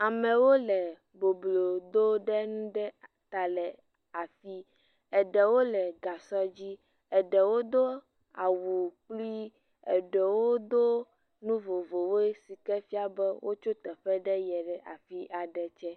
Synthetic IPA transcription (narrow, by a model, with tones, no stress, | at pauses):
a˨mɛ̃˨wo˦lɛ˨ | bo˨blo˨d̪o˦ɖɛ˦nũ˦ɖɛ˦ | t̪a˨lɛ˨ | a˨fi˦ | ɛ˨ɖɛ˨wo˦lɛ˨ɡa˨sɔ˦d͡ʑi˦ | ɛ˨ɖɛ˨wo˦d̪o˦ | a˨wu˨k͡pli˦ | ɛ˨ɖɛ˨wo˦d̪o˦ | nũ˦vo˨vo˨wo˦e˦si˨kɛ˦fi˦a˦bɛ˦wʔo˦t͡ʃo˦t̪ɛ˨ɸɛ˦ɖɛ˦jɛ˨ɖɛ˨ʔa˨fi˦ʔa˨ɖɛ˨t͡ʃɛ˦